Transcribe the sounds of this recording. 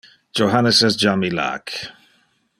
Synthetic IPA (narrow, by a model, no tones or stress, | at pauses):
d͡ʒoɦanəsɛsd͡ʒamila̰k